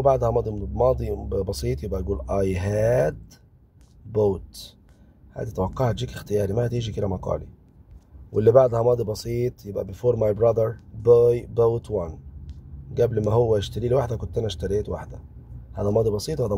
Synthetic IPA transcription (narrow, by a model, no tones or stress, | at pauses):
baʕd̪hæmɑːd̪ˤimɑːd̪ˤibɑsˤiːt̪ˤjebʔæjɡuːlʔɑjɦæːd̪ | boːt̪ | hæ̰ːd̪it̪æwɑqːɑhæt̪d͡ʒiːkext̪ɪjɑːɾimæhæt̪iːʒiked̪æmɑqɑ̰ːli | wʔelːibaʕd̪hæmɑːd̪ˤibɑsiːt̪ˤjebʔæ̰befoːɾmajbɾɑd̪ɑɾbojbowt̪wan | ɡæblmæɦowːæɪʃt̪æɾiːlwaħd̪ækʊnt̪ːænæʃt̪æɾeːt̪wa̰ħd̪æhæd̪æmɑːd̪ˤibɑsˤiːt̪ˤwhæd̪æ